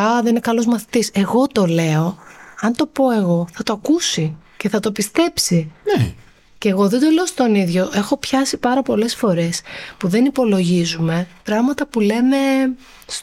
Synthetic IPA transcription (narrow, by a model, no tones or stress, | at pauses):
ɐðeninekɐlo̞zmɐθit̪ise̞ɣo̞t̪o̞le̞o̞ɐnt̪o̞po̞e̞ɣo̞θɐt̪oɐkusice̞θɐt̪opist̪e̞psi | ceeɣo̞ðed̪o̞le̞ost̪o̞niðʝo̞ʔe̞xo̞pçɐsipɐɾɐpo̞le̞sfo̞ɾe̞spuðe̞nipo̞lo̞ʝizume̞pɾɐɣmɐt̪ɐpule̞me̞ | s